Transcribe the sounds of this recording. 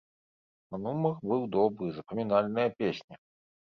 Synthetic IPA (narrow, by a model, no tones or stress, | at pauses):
ɐnumɐxbɨwd̪ɔbɾɨzɐpɐmʲinalʲnɐjɐpʲesʲnʲi